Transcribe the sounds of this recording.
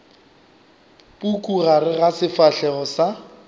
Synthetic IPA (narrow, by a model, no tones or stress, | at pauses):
pukʼuɣarɪɣasɪfaɬɛɣɔsa